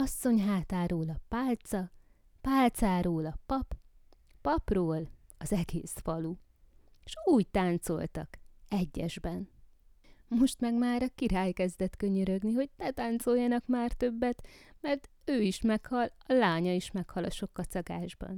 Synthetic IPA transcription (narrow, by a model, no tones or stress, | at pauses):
ɒsːo̞ɲɦaːt̪aːɾoːlɒpaːlt̪sɒ | paːlt̪saːɾoːlɒpɒp | pɒproːlɒzɛɡḛːsfɒlu | ʃuːct̪aːnt̪so̞̰lt̪ɒ̰kɛɟːɛʒbɛn | mo̞ʃt̪mɛɡmaːɾɒkiɾaːjkɛzd̪ɛt̪kø̞ɲøɾøɡniɦo̞ɟnɛt̪aːnt̪so̞jːɒnɒkmaːrt̪ø̞bːɛt̪mɛrt̪ | øːiʃmɛkhɒlɒlaːɲɒiʃmɛkhɒlɒʃo̞kːɒt̪sɒɡaːʒbɒ̰n